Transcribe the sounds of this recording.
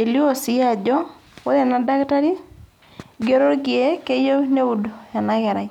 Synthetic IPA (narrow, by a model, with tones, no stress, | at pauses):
e˨li˦o˦˨sɪ˦a˨d͡ʒɔ˦ | wo˦ðɛ˨na˦da˦kta˦ɾi˦ | ɡe˦ɾo˦ɾɡɪ˨e˦ke˦jo˦ne˦u˨do˨a˨na˦ɣɛ˨ɾa˨˦